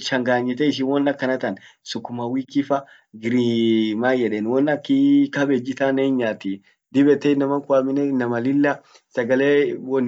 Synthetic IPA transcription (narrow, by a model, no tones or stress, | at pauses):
ʃɐŋɡaːɲːɪt̪ɛɪʃ̬ɪnwɔnːɐkːɐnɐt̪ɐnsʊkːʊmɐwiːkːɪfɐ | ɡɪɾimaːjɛᶑeːnwɔnːɐkːikɐbed͡ʒɪt̪aːneːnɲːaːt̪i | d̪ɪbɛt̪ːɛɪnːɐmɐŋkʊamɪnɛnɐmɐlɪlːɐ | sɐɡɐleːwɔnː